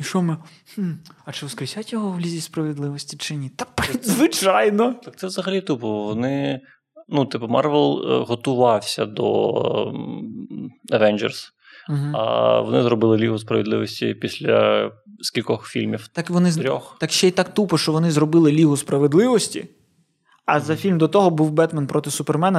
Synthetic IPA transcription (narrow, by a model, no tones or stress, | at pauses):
iʃɔmɪ | m̩ɐt͡ʃɪʋɔskɾɪsʲatʲjɔɦɔwlʲizʲispɾɐʋʲɪd̪lˠɪʋɔsʲtʲit͡ʃɪnʲit̪akpɾid̪zʋɪt͡ʃɑjnɔt̪ak̚t̪ɛʋzɐɦɐlʲit̪upɔʋɔnɪ | nut̪ɪpʊmɑrʋɛlˠɦɔt̪ʊʋɑwsʲɐ̰d̪ɔ̰ | ɐʋɛnʲd͡ʒɛ̰rs̩ | ɦ̩ɐ̰ʋɔ̰nɪzɾɔbɪlˠɪlʲiɦʊspɾɐ̰ʋʲed̪lˠɪ̰ʋɔsʲtʲḭpʲisʲlʲɐ̰skʲilʲkɔxfʲḭlʲmʲiwt̪ɑkʋɔnɪzɾʲɔxt̪ɑkʃt͡ʃɛjt̪ɑkt̪upɔʃt͡ʃɔʋɔnɪzɾɔbɪlˠɪlʲiɦʊspɾɐʋed̪lˠɪʋɔsʲtʲḭ | ɐzɐfʲilʲmd̪ɔt̪ɔɦɔbuwbɛt̪mɐnpɾɔt̪ɪsʊpermɛnɐ